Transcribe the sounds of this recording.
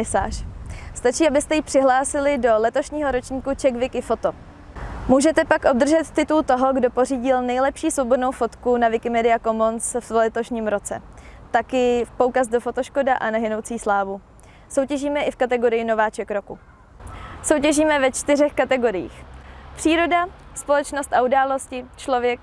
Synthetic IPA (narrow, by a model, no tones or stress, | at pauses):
ɪsa̰ːr̥st̪at͡ʃiːabɪst̪ɛjipr̥ɪɦlaːsɪlɪdo̞lɛt̪o̞ʃɲiːɦo̞ɾo̞t͡ʃɲiːkut͡ʃɛkvɪkɪfo̞t̪o | muːʒɛt̪ɛpakʔo̞b̚d̪r̩ʒɛt̪t̪ːɪt̪ult̪o̞ɦo̞ɡdo̞po̞riːɟɪlnɛjlɛpʃiːsvo̞bo̞dnowfo̞t̪kunavɪkɪmɛdɪako̞monsvlɛt̪o̞ʃɲimɾo̞t͡sɛ̰t̪akɪpoukazdo̞fo̞t̪oʃko̞daʔanaɦɪno̞wt͡siːslaːvu | so̞wcɛʒiːmɛʔɪfkat̪ɛɡo̞ɾɪjɪno̞vaːt͡ʃɛkɾo̞ku | so̞wcɛʒiːmɛvɛt͡ʃt̪ɪrɛxkat̪ɛɡo̞ɾɪjḭːxpr̥iːɾo̞daspo̞lɛt͡ʃno̞st̪ʔaudaːlo̞scɪt͡ʃlo̞vjɛk̚